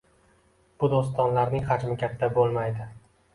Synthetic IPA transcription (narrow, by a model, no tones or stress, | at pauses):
b̥ʊd̪os̬t̪ɒnlaɾnɪŋχad͡ʒmɪkʲʰat̪ʰːabolˠmajd̪ɪ